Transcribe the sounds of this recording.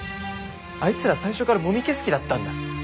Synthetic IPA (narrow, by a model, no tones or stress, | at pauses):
ait͡sɨɾasaĩɕo̞kaɾamo̞mʲikʲe̞sɨ̥kʲid̪at̪ːãnd̪a